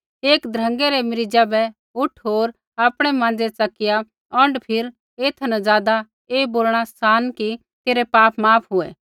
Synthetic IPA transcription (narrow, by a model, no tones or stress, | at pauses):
eːkd̪ɾə̃ŋɡeɾɛmɪɾɪd͡ʒabɛ | ʊʈʰɦoːɾ | aːpɽ̃ɛmãːn̆d͡zɛt͡sɐkɪja | ɔ̃ɳɖpʰɪɾ | eːt̪ʰnazjaːd̪a | eːboːlɽ̃asaːnki | t̪eːɾɛpaːpmaːpʰɦʊɛ̰ː